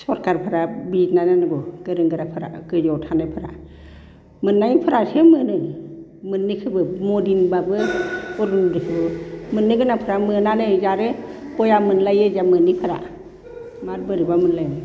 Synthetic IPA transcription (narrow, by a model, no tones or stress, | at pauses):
sɔɾkaɾpʰɯɾabitnajnanɯɡɔɡ̥ɯɾɯŋɡɯɾapʰɯɾa̰ɡɯzɔwtʰanɯjpʰɯɾa̰ | mɯnːajpʰɯɾasemɯnɯj | mɯnːikʰɯbɯmɔdinbabɯɔɾundɯkʰɯbɯmɯnːɯɡɯnapʰɯɾamɯnanɯzaɾɯpɔjamɯnlajɯzamɯnːipʰɯɾa̰ | mat̚bɯɾibamɯnlajnɯ